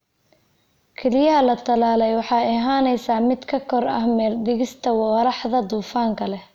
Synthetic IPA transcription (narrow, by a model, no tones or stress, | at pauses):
kʰɛlɪjɐɦɐlɐt̪ʰɐlaːlɛjwɑħɑːɪɦaːnɛjsaːmɪd̪kʰɐkʰɔrɐ̰hmɛːrd̪ɪɣɪst̪ʰɐwɑɾɑħðɐd̪uːfaːŋkʰɐlɛ